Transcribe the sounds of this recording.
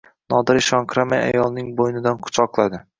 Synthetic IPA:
nɒd̪ɪɾɪʃɒŋkʰɾamaja̰jɒlˠnɪŋbojnɪd̪anqʰʊ̥t͡ʃʰɒqlˠad̪ɪ

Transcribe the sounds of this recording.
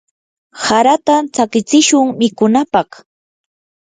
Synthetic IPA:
haɾat̪at͡sakɪt͡sɪʃʊŋmɪkʊnapɑχ

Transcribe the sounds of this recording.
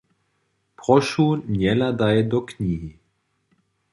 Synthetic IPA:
pʁɔʃuːnjɛlad̪ajɛd̪ɔkɲiːɦi

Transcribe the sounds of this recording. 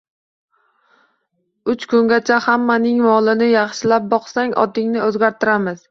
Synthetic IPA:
ʊt͡ʃkʰʊŋɡʲat͡ʃʰahamːanɪŋmɒlˠɪnɪjɑχʃɪlap̚bɒqsaŋʔɒ̰d̪ɪŋnɪɵzɡʲaɾt̪ʰɪɾamɪz̥

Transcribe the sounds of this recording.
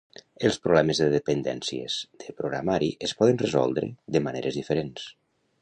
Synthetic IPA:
əlˠspɾoβlɛməzðəðəpənd̪ɛ̰nsiə̰z̥d̪əpɾoɣɾa̰maɾiʔəspɔðənrəzɔ̰lˠd̪ɾə̰ðəməneɾəzðifəɾens

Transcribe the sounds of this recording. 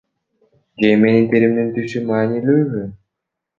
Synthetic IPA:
d͡ʒeme̞nint̪iɾimd̪int̪yʃymaːnilʲyːβy

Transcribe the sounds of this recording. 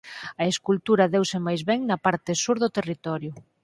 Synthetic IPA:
ɐeskult̪uɾɐðewsemajzβɛŋnɐpaɾt̪ɪsuɾðʊt̪erit̪ɔɾjʊ

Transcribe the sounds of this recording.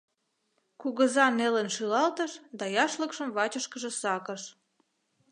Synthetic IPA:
kuɣəzɑnelənʃylɑlt̪əʃd̪ɑjɑʃləkʃəmβɑt͡ɕəʃkəʒə̆sɑkəʃ

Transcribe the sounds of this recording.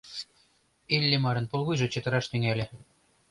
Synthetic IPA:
ilʲːemɑɾɤ̆npolˠɣujʒɤ̆t͡ɕə̆t̪ɤ̆ɾɑʃt̪yŋælʲĕ

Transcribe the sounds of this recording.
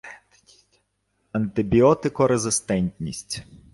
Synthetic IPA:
ɐnt̪ɪbʲiɔt̪ɪkɔɾezɪst̪ɛnʲtʲnʲḭsʲtʲ

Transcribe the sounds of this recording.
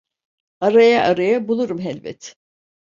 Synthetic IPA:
aɾajaʔaɾajabulˠuɾumɦɛlʲbɛ̰t̪

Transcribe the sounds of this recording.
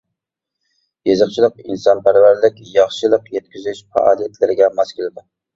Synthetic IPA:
jezəχt͡ʃʰilˠəqinsɑnpæɾvæɾlɪkʲjɑχʃɨlˠəqjɛt̪̚kʲyzyʃfæ̰ʔɑ̰ːlˠijɛt̪ʰlɪɾɪɡʲɛmɑskʲilɪd̪ɪ

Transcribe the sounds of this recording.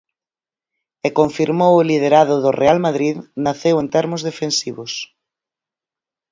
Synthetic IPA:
ekoɱfiɾmowʊlið̞eɾað̞ʊðʊrʔealmaðɾiðnaθewent̪ɛɾmʊzðefensiβʊs

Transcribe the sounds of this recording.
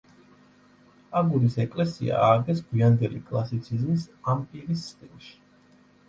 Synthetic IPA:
aɡuɾisɛkʼlɛsḭa̰aːɡɛs̬ɡwiand̪ɛlḭkʼlˠasit̪sʰizmisampʼiɾissʼt̪ʼinʃi̥

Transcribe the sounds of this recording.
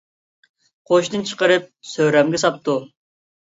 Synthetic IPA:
qʰoʃt̪ɨnt͡ʃʰə̥qəɾɨp̚søɾɛmɡʲɛsɑp̚t̪u

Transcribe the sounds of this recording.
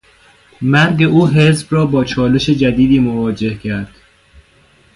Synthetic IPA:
mæɾɡe̞ʔuːɦe̞zbrɒːbɒːt͡ʃʰɒːle̞ʃed͡ʒæd̪iːd̪iːmovɒːd͡ʒe̞hcʰæɾd̪̥

